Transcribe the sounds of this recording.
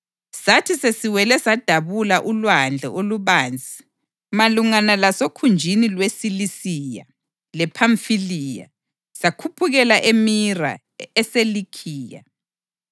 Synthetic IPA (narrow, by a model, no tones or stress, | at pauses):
satʰisesiwɛlɛsad̥ʱaβulaʔulwand͡ɮʱɛ̰ʔoluβaːnd͡zʱi | maluŋanalasokʰund͡ʒʱinilwesilisija̰ | lɛpʰaɱfilija̰ | sakʰupʰuɣɛlaʔemira̰ | ɛselikʰiːja̰